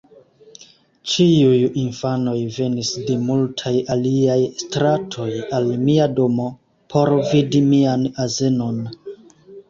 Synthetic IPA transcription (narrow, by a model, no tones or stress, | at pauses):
t͡ʃiujinfano̞jve̞nisde̞multʰajaliajstɾatʰo̞jalmiado̞mo̞ | pʰo̞ɾvidimianaze̞no̞n